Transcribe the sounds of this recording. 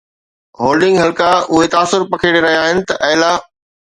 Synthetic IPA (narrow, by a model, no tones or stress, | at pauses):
ɦoːlɖɪ̃ŋɡɦɐlkaʊɦet̪aːsʊɾpɐkʰeɽeɾɐɦijaːɦɪnɪ̆t̪ɐʔɐɦla